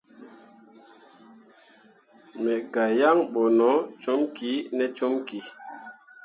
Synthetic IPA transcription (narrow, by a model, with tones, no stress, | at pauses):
mɛ˨ɡa˨ja˦ŋɓo˨nɔ˨˦t͡ʃo˦mki˨˦nɛ˨t͡ʃo˦mki˨